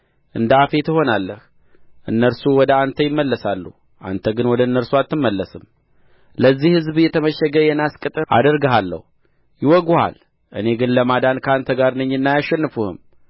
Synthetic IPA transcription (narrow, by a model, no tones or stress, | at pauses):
ʔɨnd̪əafe̞t̪əɦo̞nalːəh | ʔɨnːəɾsuwɔd̪əant̪ʰəjɪmːəlːəsalːu | ʔa̰nt̪ʰəɡɨnwɔd̪ənːəɾsuat̪ːɨmːəlːəsɨm | ləzːihɨzbjɛt̪ʰəməʃəɡəjɛnaskʼɨt̪ʼəʔa̰d̪əɾɡəɦalːə̰hu | jɪwɔɡuha̰l | ʔɨ̰ne̞ɡɨnləmad̪ankʰəant̪ʰəɡaɾnɨɲːɨnːajaʃːɛnːɨfuhɨ̰m